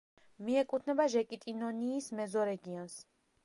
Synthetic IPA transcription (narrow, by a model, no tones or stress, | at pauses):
miɛkʼut̪ʰnɛbaʒɛkʼit̪ʼinɔniːsmɛzɔɾɛɡiɔns